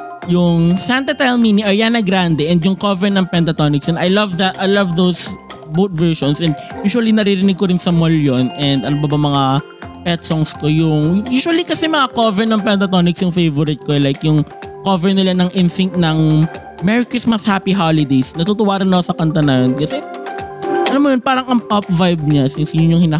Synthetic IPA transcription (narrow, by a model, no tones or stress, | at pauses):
jʊŋsant̪ɐt̪ɛlminiʔɐjanːɐɡɾand̪ɛʔɛnd̪jʊŋkovɛɹnɐŋpɛnt̪ɐt̪onɪksnʔɐjlɐvd̪ɐt̪ʔɐjlɐvd̪ows | bowt̪̚vɛɹʃɔnsʔɛ̃nd̪̚juːʃwɐlinɐɾɪɾɪnɪɡ̚koɾɪnsɐmoljonʔɛnd̪ʔɐnobɐbɐmɐŋa | pɛt̪̚sɔŋskojʊŋjuːʃʊɐlikɐsɛmɐŋakovɛɹnɐŋpɛnt̪ɐt̪onɪksjʊŋfejvɔɾɪt̪̚koɛlajkjʊŋkovɛɹnɪlanɐŋʔɪnsɪŋt̪̚nɐŋ | mɛɹɪkʊsmɐshaːpiɦalɪd̪ejsnɐt̪ut̪ʊwaːɾɪnːɐkosɐkɐnt̪ɐnɐjonkɐsɛ | ʔɐlamːojonpaːɾɐŋʔɐŋpap̚vajb̚ɲasɪnsijʊɲɲʊŋhɪnaː